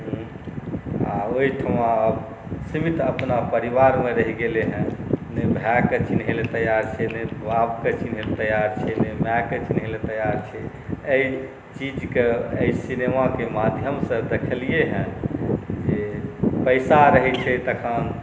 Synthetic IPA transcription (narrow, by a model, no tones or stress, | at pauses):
ɦ | a̰oiʈʰəmãəb | simit̪əpnapəɾibaɾmeɾəɦiɡeleɦɛ̃nebʱaket͡ʃʰinɦelet̪əjaɾt͡ʃʰɛnebabket͡ʃinɦelt̪əjaɾt͡ʃʰɛnemjaket͡ʃinɦelet̪əjaɾt͡ʃʰɛ | əi | t͡ʃid͡ʒkeəisinemakemad̪ʱjəmsə̃d̪ekʰəlieɦɛ̃ | d͡ʒepəɪsaɾəɦɛt͡ʃʰɛt̪əkʰən